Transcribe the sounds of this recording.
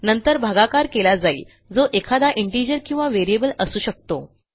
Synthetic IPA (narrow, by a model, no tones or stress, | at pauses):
nənt̪əɾbʱaɡakaɾkelad͡zaḭː | d͡zoʔekʰad̪aʔiɳʈid͡ʑəɾkĩw̃ʋaʋeɾiebələsuːɕək̚t̪o